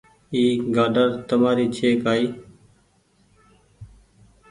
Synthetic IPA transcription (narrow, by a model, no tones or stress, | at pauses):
iːɡaːɖəɾt̪əmaːɾiːt͡ʃʰeːkaːiː